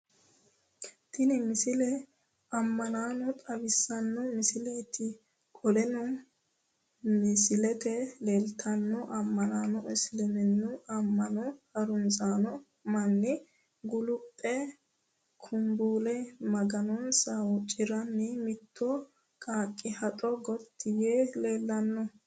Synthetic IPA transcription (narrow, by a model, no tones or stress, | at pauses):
t̪ɪnɪmɪsɪlɛ | ɐmːɐnaːnɔt̪ʼɐbɪsːɐnːɔmɪsɪleːt̪ʰːɪ | kʼɔlɛnɔ | mɪsɪlɛt̪ɛlelt̪ʰɐnːɔʔɐmːɐnaːnɔʔɛslɛmɛnːʊɐmːɐnɔhɐɾʊnsaːnɔ | mɐnːɪ | ɡʊlʊpʼːɛ | kʰʊmbuːlɛmɐɡɐnɔnsɐwɔt͡ʃʼɪɾɐnːɪmɪt̪ʰːɔ | kʼaːkʼːɪhɐt̪ʼɔɡɔt̪ʰːɪjeːleːlːɐnːɔ